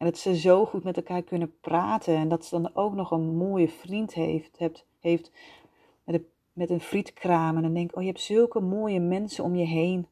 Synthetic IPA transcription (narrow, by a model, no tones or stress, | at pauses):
ɛndɔtsəzowχutmɛtɛlˠkaːɹkɵnəpraːtʰənɛndɔtsədɑnowknɔχənmoːjəfrint | heft | ɛtə | mɛtənfritkʰraːmənɛndɛŋkoːjəɦɛp̚tsɵlˠkəmoːjəmɛnsənɔmjəɦejn